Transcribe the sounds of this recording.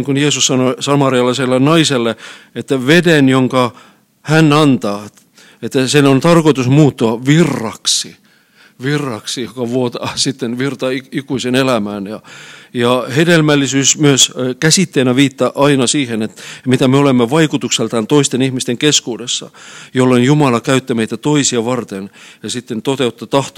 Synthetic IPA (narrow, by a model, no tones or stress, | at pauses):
iŋkunjeːsussɑnosɑmɑriɑlːeselːennɑiselːeet̪ːæʋedenjoŋkɑ | hænɑnt̪ɑː | et̪ːæsenont̪ɑrkoit̪usmuːt̪ːoɑʋirːɑksi | ʋirːɑksijokɑʋuot̪ɑːsit̪ːenʋirt̪ɑiikuisenelæmæːnjɑjɑhedelmælːisyːsmyøskæsit̪ːenæʋiːt̪ːɑʔɑinɑsiːhenet̪mit̪æmeolemːeʋɑikut̪ukselt̪ɑnt̪oist̪enihmist̪eŋkeskuːdesːɑ̰jolːenjumɑlɑkæyt̪ːæmeit̪æt̪oisiɑʋɑrt̪enjɑsit̪ːent̪ot̪eut̪ːɑt̪ɑht̪o